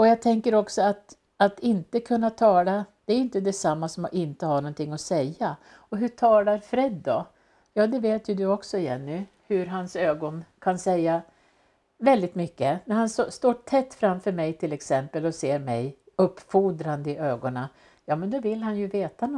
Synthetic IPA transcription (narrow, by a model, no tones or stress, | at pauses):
ɔjɑːɡt̪ʰɛŋkəɾɔksɔat̪ | at̪ɪnt̪əkʰɵnːat̪ʰɑːlad̪̥ɛæɾɪnt̪əd̪ɛsamːasɔmʔɪnt̪əhaɳɔnt̪ʰɪŋːɔsɛjːa | ɔɦɵʈʰɑːlaɾfɾɛd̪ːɔ | jɑːd̪ɛveːt̪jɵd̪ɵɔksɔɪjɛnːʉ | hɵɾɦansøːɡɔnkʰansɛjːa | vɛld̪ɪt̪mʏkːənæɾhansɔst̪oːʈʰɛt̪ːfɾamfœɾmɛjt̪ʰɪlɛksɛmpəlɔseːɾmɛj | ɵpːfuːd̪ɾand̪əɪʔøːɡɔna | jɑːmɛnd̪ɔvɪlːɦanjɵveːt̪an